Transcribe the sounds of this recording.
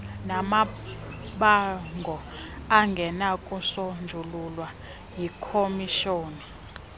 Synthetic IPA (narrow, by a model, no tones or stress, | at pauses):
nama | ɓaŋɡʱɔaŋɡʱɛnakʼusɔnd͡ʒʱululwa | jikʰomiʃoːni